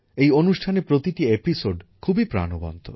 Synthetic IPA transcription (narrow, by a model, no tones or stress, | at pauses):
ejonuʃʈʰanepɾot̪iʈiepisoɖkʰubipɾa̰nobɔ̰nt̪ʰo̰